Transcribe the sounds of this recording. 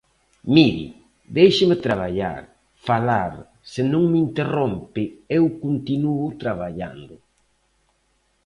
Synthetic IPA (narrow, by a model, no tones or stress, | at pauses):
miɾḭ | d̪ejʃɪmɪt̪ɾaβaʎa̰ɾ | falaɾ | sɪnõŋmint̪erompɪewkont̪inuʊt̪ɾaβaʎa̰nd̪ʊ